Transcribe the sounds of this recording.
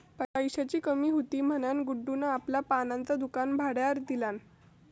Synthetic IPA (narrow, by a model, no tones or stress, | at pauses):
pəkaiɕat͡ɕiːkəmiːɦut̪iːm̤ənjanɡuɖːunaːpljapanãnt͡sad̪ukanbʱaɽjaɾd̪ilan